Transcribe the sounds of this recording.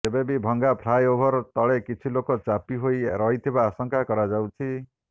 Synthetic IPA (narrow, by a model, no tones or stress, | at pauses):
sebebibʱɔŋɡapʰlajobʱɔɾt̪ɔɭekit͡ʃʰilokɔt͡ʃapiɦojɾɔɦit̪ʰibaːsɔŋkakɔɾad͡ʒawt͡ʃʰi